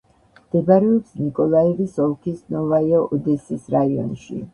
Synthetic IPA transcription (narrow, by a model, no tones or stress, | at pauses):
md̪̥ɛbaɾɛɔpsnikʼɔlˠaɛvisɔlˠkʰisnɔvaiɔʔɔd̪ɛsisɾaiɔ̰nʃḭ